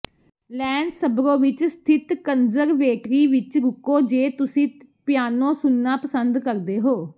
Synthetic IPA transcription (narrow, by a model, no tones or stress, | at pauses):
lɛːnɖsəbɾõːʋɪt͡ʃst̪ʰɪt̪kənzəɾʋeːʈɾiːʋɪt͡ʃɾʊkːoːd͡ʒeːt̪ʊsĩː | pɪjaːnõːsʊnːaːpəsənd̪kəɾd̪eːɦoː